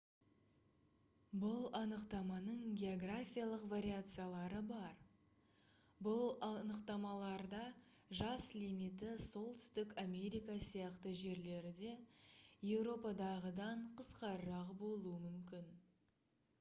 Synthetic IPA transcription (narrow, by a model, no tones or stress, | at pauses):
bʊlˠɑnəqt̪ɑmɑnəɴɡʲe̞oɡrafʲijalˠəqvaɾʲiat̪sɨjalˠɑɾəbɑɾ | bʊlˠɑnəqt̪ɑmɑlˠɑɾd̪ɑ | ʒɑslimijt̪ɪso̞lˠt̪ʏ̥st̪ɪkame̞ɾijkasijɑqt̪əʒe̞ɾle̞ɾɪd̪e̞je̞wɾo̞pɑd̪ɑʁəd̪ɑɴqʰəsqɑɾəɾɑqbo̞lˠuəmʏmkʲɪn